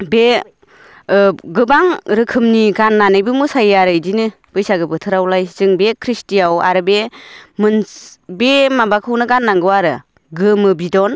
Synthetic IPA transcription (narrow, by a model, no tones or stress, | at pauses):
be | ɡɯbaŋɾɯkʰɯmniɡanːanɯjbɯmusajaɾɯjdinɯ | b̥ɯjsaɡɯbɯtʰɯɾawlajz̥ɯŋbekʰɾistiawa̰ɾɯbemɯnbemabakʰɯwnɯɡanːaŋɡɯwaɾɯ | ɡɯmɯbidɔn